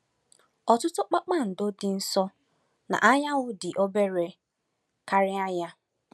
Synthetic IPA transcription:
ɔ˨tʊ˦tʊ˦k͡pa˦k͡pa˦˨n̩˨do˦dɪ˨n̩˦sɔ˦ | na̰˨ʔa˦ɲa˦ŋʊ˦dɪ˨ʔo˦be˦ɾe˨ | ka˦ɾɪ˦a˦ɲa˦

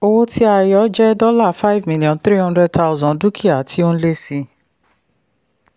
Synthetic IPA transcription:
o˧wo˦tʰi˦a˧jɔ˨˦d͡ʒɛ˦dɔ˦la˦˨fa˦i˦vmĩ˦li˨ɔ̃˨θɾi˦ɦɔ̃˧ndɾɛ˧d̚ta˧˦˨zɔ̃˨du˦kʰi˦˨a˨tʰi˧˦o˦ñ̩˦le˦si˧

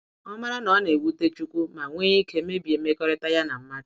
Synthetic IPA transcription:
ɔ˦ma˦ɾa˦nɔ˨˦ne˨wu˦te˦t͡ʃu˦kʷu˦ma˨ŋʷe˦i˦ke˨˦e˦bje˨m̩˦e˦kɔ˦ɾe˦ta˦ja˦na˨m̩˦ma˦d

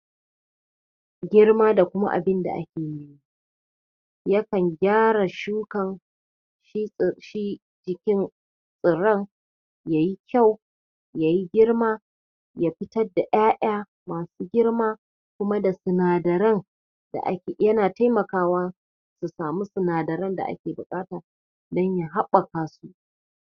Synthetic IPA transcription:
ɡʲɪ˦rmaː˦da˨kʷʊ˦ma̰˦ʔa̰˨bɪ˦nda̰˨ʔa̰˦kʲeː˨mi˨ji˦ | jɐ˦kɐ˨ŋɡʲaː˦ɽa˨ʃu˦kɐ˨ŋ | ʃi˦˨ʃi˦ | d͡ʒɪ˨kʲɪ˦n | sʼɪ˨ɾɐ˦ŋ | jaː˨ji˦kʲʰa˦˨w | ja˨ji˦ɡʲɪ˦rmaː˦ | ja˦ɸɪ˦tɐ˦da˨ʔaː˦ʔaː˦ | maː˨suː˦ɡʲɪ˦ɽmaː˦ | kʷʊ˦ma˦da˨sʊ˨naː˨dɐ˨ɾɐ˦ŋ | d̥a̰˨ʔa̰˦kʲːjɐ˦naː˨ta˦jmɐ˨kaː˦waː˦ | su˨saː˨mu˦sʊ˨naː˨dɐ˨ɾɐ˦nda̰˨ʔa̰˦kʲeː˨bʊ˨kʼaː˦taː˨ | dɐ˦ɲja˦ɦa˦ɓɐ˨kaː˨su˦ʔ

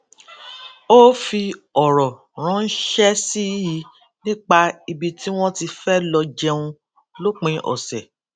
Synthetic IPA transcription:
o˦fi˧ɔ˨ɾɔ˨ | ɾ̃ã˨˦n̩˦ʃɛ˦si˦ji˨˦ | nĩ˦k͡pa˧i˧bi˧ti˦w̃ɔ̃˦ti˧fɛ˦lɔ˧d͡ʒɛ˧ũ˧ | lo˦k͡pĩ˧ʔɔ̰˨sɛ˨

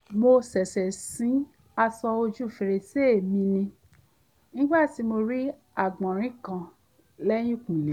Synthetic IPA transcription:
mo˧sɛ˨sɛ˨sĩ˨˦ | a˧sɔ˧o˧d͡ʒu˦˨fe˧ɾe˧se˦˨mĩ˧nĩ˧ | nĩ˦ɡ͡ba˦˨ti˨˦mo˧ɾi˦ | a˦˨ɡ͡bã˨ɾ̃ĩ˨˦kã˨ | lɛ˦j̃ũ˦˨kũ˨nĩ˨˦

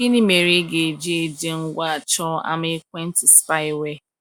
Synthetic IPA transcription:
ki˦ni˦me˨ɾe˦ɡe˨d͡ʒe˦e˨d͡ʒe˦ŋ̩˦ɡʷa˦˨t͡ʃɔ˦a̰˦me˦k̚ʷe˦n̩˦tɪ˨spa˦ɪ˦we˦

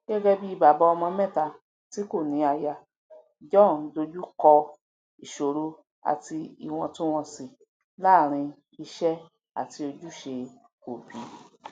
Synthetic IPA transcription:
ɡ̥ɛ˦ɡɛ˦bi˦i˧ba˨bɔ˧˦ɔ˧mɔ̃˧mɛ˦˨ta˧˨ | ti˨˦ko˦˨nĩ˨˦a˧ja˧ | d͡ʒɔ̃˦˨˦do˧d͡ʒu˦kɔ˧ | i˨ʃo˨ɾo˧ | a̰˨ti˧ḭ˨w̃ɔ̃˧to˦w̃ɔ̃˧si˨ | la˦˨ɾ̃ĩ˧ | i˧ʃɛ˦ | a̰˨ti˧o˧d͡ʒu˦ʃe˧ | ko˨bi˨˦

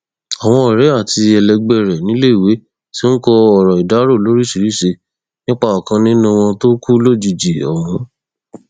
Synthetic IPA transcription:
ɔ˨w̃ɔ̃˧ɛ˨ɾɛ˨˦a˦˨ti˧ɛ˨lɛ˧ɡ͡bɛ˦˨ɾɛ˨nĩ˨˦le˦i˨we˨˦ | si˦ñ̩˦kɔ˧ɔ˨ɾɔ˨i˨da˨˦ɾo˦˨lo˨˦ɾi˦si˨˧ɾi˨˦˨ʃe˧ | nĩ˦k͡pa˦ɔ˨kã˧nĩ˦nũ˦w̃ɔ̃˧to˦ku˦lo˦˨d͡ʒi˨d͡ʒi˨ɔ̰˨w̃ɔ̃˨˦

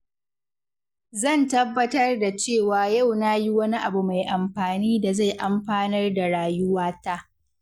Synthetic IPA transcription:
zɐ˦˨ntɐ˦bːɐ˦tɐ˦rda˨t͡ʃeː˦˨waː˨ja˦˨wna˦ji˦wɐ˦ni˦ʔa˨bu˨ma˨jʔa˨mɸaː˨niː˦da˨za˦˨jʔa˨mɸaː˦nɐ˦rda˨ɽaː˨jʊ˦waː˦ta˦ʔ

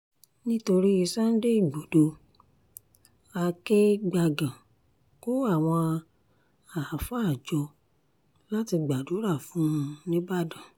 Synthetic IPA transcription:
nĩ˦to˧ɾi˦i˧sã˦n̩˦de˦i˦˨ɡ͡bo˨do˧ | a˧ke˦ɡ͡ba˧ɡã˨ | ko˦a˦˨w̃ɔ̃˧ | a˨a˨fa˦a˦˨d͡ʒɔ˧ | la˦ti˧ɡ͡ba˨do˨˦ɾa˦˨fũ˨˦˧nĩ˦ba˦˨dã˨

